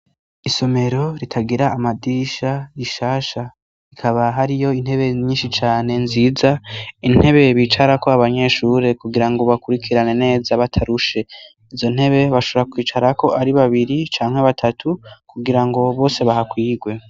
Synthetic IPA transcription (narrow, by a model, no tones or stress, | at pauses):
iso̞me̞ɾo̞ɾitʰaɡiɾaːmadiʃaiʃaːʃa | ikʰaβaɦaɾijo̞in̥he̞βe̞ɲiːnʃit͡ʃaːne̞nziːzain̥he̞βe̞βiːt͡ʃaɾako̞aβaɲe̞ʃuːɾe̞kuɡiɾaŋɡo̞βakuɾikʰiɾane̞ne̞ːzaβatʰaɾuʃe̞ | izo̞n̥he̞βe̞βaʃoɾakwiːt͡ʃaɾako̞ʔaɾiβaβiɾit͡ʃaːŋ̥heβatʰatʰukuɡiɾaŋɡo̞βo̞ːse̞βahakwiːɡwe̞